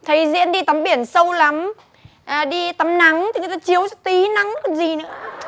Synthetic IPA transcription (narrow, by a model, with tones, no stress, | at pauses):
t̪ʰə˨˦jzḭ˧˥ənɗi˧t̪a˨˦mɓi˧˩ənsə˧wla˨˦m | ʔɗi˧t̪a˨˦mna˨˦ŋt̪ʰi˨˩˨t̪aː˧t͡ɕi˨˦əwza˦˥t̪i˨˦na˨˦ŋ˧k̚ːzi˨˩nɨ̰˧˥ə